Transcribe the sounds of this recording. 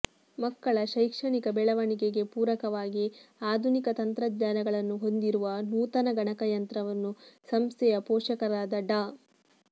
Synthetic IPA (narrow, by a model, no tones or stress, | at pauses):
mɐkːɐɭɐʃɐjkʂɐɳikɐbɛɭɐʋɐɳikeɡe̞puːɾɐkɐʋaːɡiaːd̪ʱunikɐt̪ɐnt̪ɾɐd̪ɲaːnɐɡɐɭɐnːuɦo̞nd̪iɾuʋɐnuːt̪ɐnɐɡɐɳɐkɐjɐnt̪ɾɐʋɐnːusɐmst̪ʰɛjɐpɔːʂɐkɐɾaːd̪ɐɖaː